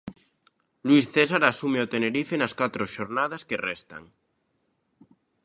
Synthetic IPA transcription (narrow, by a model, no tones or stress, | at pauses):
lwisθesaɾasumeot̪eneɾifenaskat̪ɾoʃoɾnað̞askerɛst̪a̰ŋ